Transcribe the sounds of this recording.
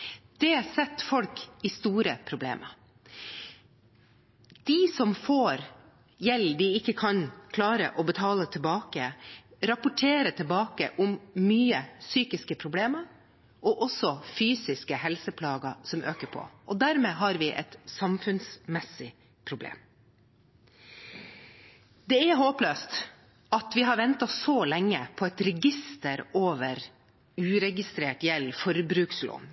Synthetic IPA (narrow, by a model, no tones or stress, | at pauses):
d̪̥ɛsɛt̪ːfɔlkɪst̪uːɾəpʰɾʊblḛːmʔə | d̪̥ɪsɔmfoːɾ | jɛlːd̪ɪɪkːəkʰɑnkʰlɑːɾə̰ʔɔbət̪ʰɑːlət̪ʰɪlbɑːkəɾɑpʊʈʰeːɾət̪ʰɪlbɑːkə̰ʔʊmːyːəsyːkɪskəpʰɾʊbleːməɾ | ʔɔʔɔsɔfyːsɪskəhɛlsəpʰlɑːɡɑsɔmʔø̰ːkəpʰɔ̰ʔɔd̪æɾmeːɦɑɾʋɪʔɛ̰t̪sɑmfʉnsmɛsːɪ | pʰɾʊblḛːm | d̪ɛɛɦoːpløːst̪ | ɑt̪ʋɪɦɑɾʋɛnt̪ɑsolɛŋːəpʰɔɛt̪ɾɛɡɪst̪əɾoːʋəɾ | ʉːɾɛɡɪst̪ɾeːʈjɛlfɔɾbɾʉːkslo̰ːn